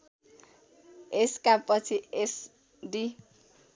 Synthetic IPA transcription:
eskappʌt͡sʰies | ɖi

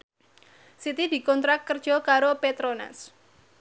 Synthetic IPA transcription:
sit̪id̪i̤kɔnt̪ɾak̚kərd̥ʒ̥ɔkaɾopet̪ɾona̰s

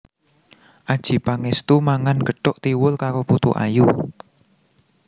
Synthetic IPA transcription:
ʔad̥ʒ̥i̤paŋest̪umaŋanɡ̥ə̤ɖ̥ʊʔt̪iwʊlkaɾoput̪ṵʔa̰ju

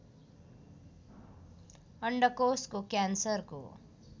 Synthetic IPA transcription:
ʌɳɖʌkoskokjansʌrko̰

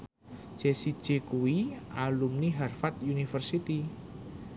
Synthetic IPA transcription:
d͡ʒ̥esi̥ʒ̥e̤kuwialumniɦarfat̪̚junifərsit̪i

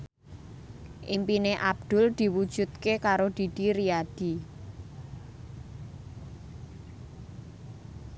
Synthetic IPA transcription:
ʔimpineʔab̚d̪̥ʊ̤ld̪̥i̤wud̥ʒ̥ṳt̪̚kekaɾod̪̥i̤d̪̥i̤ɾiad̪̥i̤

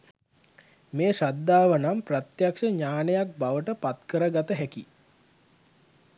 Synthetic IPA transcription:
meːʃad̪ːaːʋənamprat̪jakʃəɲaːnəjak̚baʋəʈəpat̪kəɾəɡat̪əɦɛki

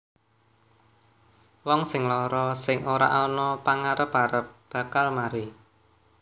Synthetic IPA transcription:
wɔŋsɪŋlɔɾɔsɪŋʔoɾa̰ʔɔnɔpaŋaɾəpaɾəp̚b̥ä̤kalmaɾi

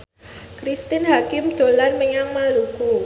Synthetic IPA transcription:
kɾist̪ɪnɦakɪmd̪̥o̤lanməɲaŋmaluku

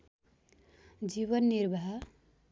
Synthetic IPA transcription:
d͡ʒiβʌnːiɾbʱaɦ

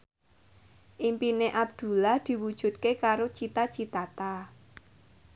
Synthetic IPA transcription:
ʔimpineʔab̚d̪̥ṳlahd̪̥i̤wud̥ʒ̥ṳt̪̚kekaɾot͡ʃit̪at͡ʃit̪at̪a

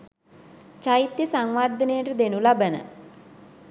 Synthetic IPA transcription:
t͡ʃait̪jəsaŋʋaːrd̪ʱənejəʈəd̪enulabənə̰

